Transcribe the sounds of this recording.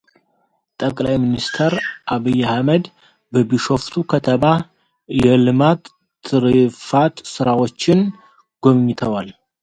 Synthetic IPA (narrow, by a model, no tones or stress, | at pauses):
t̪ʼəkʼlajminist̪ʰəɾʔaβijːahməd̪ | bəbiʃo̞ft̪ʰukʰət̪ʰəma | jɛlɨmat̪ː | ɨɾɨfat̪sɨɾawo̞t͡ʃːɪn | ɡ̥o̞mɲːɪt̪ʰəwal